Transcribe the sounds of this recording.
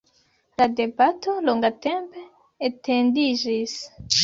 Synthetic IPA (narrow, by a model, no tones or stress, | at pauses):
lade̞bato̞loŋɡate̞mpe | etendid͡ʒis